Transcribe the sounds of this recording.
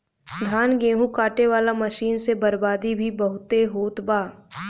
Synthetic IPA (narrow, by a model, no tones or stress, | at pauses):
d̪ʱaːnɡeːɦũkaːʈeʋaːlamɐʃiːnsebɐɾbaːd̪ibʱibɐɦʊt̪eɦoːt̪baː